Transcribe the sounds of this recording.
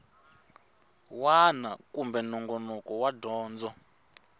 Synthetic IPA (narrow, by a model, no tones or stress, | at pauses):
wanakumbɛnɔŋɡɔnɔkɔwadɔːnd͡zɔ